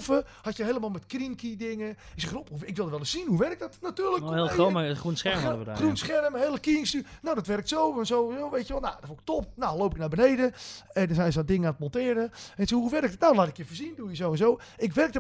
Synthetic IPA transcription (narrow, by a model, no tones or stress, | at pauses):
fəhatjəɦejlˠəmalˠmɛtkrinkʰidɪŋəɪksɛopuɪkʋɪlˠdəʋɛlˠəssinhuʋɛrɪk̚dɔtnatyːrləkelomaxrunsxɛmɔdəəd̰runsχɛrəmheəlˠəkiːənstynowdɔtʋɛrk̚tsowʋɔnsoːnzoːʋejtjəʋɛlˠnadɔʋoɪk̚top̚naloːpɪk̚nabənejdəədɔsɛjnsɔdɪŋəatmontɪəɾəʋesohɦuʋɛɾɪk̚dtnalaːtɪkjəfəsinduəjəsowɛnsoːɪkʋɛrk̚də